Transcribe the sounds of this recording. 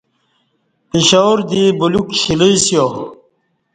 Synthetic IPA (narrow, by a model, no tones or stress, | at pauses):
piɕaɾd̪ibulukɕiliisjo